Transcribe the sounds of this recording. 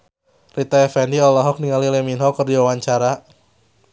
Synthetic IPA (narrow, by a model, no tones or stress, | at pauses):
rit̪aɛfɛndiɔlɔɦɔk̚niŋalilɛminɦɔkːərdiwawaɲt͡ʃaɾa